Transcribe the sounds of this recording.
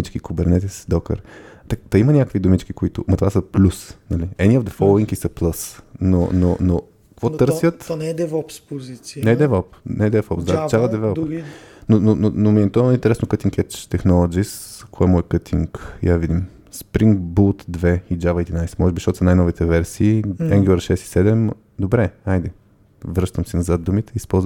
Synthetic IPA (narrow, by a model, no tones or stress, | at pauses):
it͡ʃkikʊbɛɾnɛt̪ɛsd̪ɔkə̰ɾt̪ɛt̪ɐimənʲakəkvid̪ʊmit͡ʃkikʊit̪ʊ̰mɐt̪ovasəplʲusnɐliɛniɔvd̪ɛfɔlˠoiŋkisɐplˠɤsno̰nono | kkvɔt̪ɤɾsjət̪nd̪ɛvɔpspozit̪sinɛd̪ɛvɔpnɛd̪ɛvɔpsd̪at͡ʃalˠəd̪ɛvɛlˠ | nonononomiɛt̪ɔint̪ɛɾɛsnokət̪iŋkɛt͡ʃt̪ɛxnɔlˠod͡ʒiskʰɔɛmɔjkət̪ʰiŋkjavid̪im | spɾiŋɡbulˠt̪d̪vɛid͡ʒavɐɛd̪inajsɛ̥mɔʒɛbiʃt̪ɔt̪snajnɔvit̪ɛvɛɾsiːɛŋɡʲuəɾʃɛst̪i̥sɛd̪ɛm | d̪obɾɛajd̪ɛ | vɾɤʃt̪əmsinɐzat̪̚d̪umit̪ɛispɔlˠz